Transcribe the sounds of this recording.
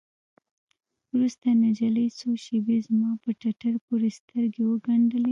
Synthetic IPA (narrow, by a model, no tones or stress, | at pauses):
wɾust̪anad͡ʒalesoʃebezmɑpəʈaʈaɾpoɾest̪əɾɡewəɡaɳɖəle